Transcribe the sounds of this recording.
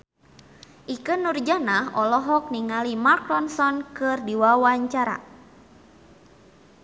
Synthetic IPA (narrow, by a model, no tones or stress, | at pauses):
ʔikənurd͡ʒanaɦʔɔlɔɦɔk̚niŋalimakɾɔnsɔnkɨrdiwawaɲt͡ʃaɾa̰